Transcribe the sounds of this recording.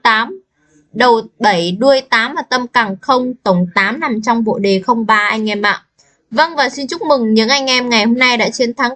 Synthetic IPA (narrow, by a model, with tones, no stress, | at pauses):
t̪aː˨˦m | ɗə˨˩wɓə˧˩jɗu˧əjt̪aː˨˦mvaː˨˩t̪ə˧mkaː˧˩ŋxə˧wŋ͡mt̪ə˧˩wŋ͡mt̪aː˨˦mna˨˩mt͡ɕɔ˧wŋ͡mɓo̰˧˨ɗe˨˩xə˧wŋ͡mɓaː˧ʔa˧jŋ̟ʔɛ˧mʔa̰ː˧˨ʔ | və˧ŋvaː˨˩si˧nt͡ɕʊ˦˥k͡p̚mɨ˨˩ŋɲɨ̰˧˥ŋʔa˧jŋ̟ʔɛ˧mŋa˨˩jho˧mna˧jɗa̰ː˧˥t͡ɕe˧nt̪ʰaː˨˦ŋ